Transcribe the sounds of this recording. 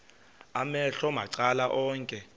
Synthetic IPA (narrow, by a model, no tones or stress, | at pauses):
amɛɬɔmaǀalaʔɔːŋkʼɛ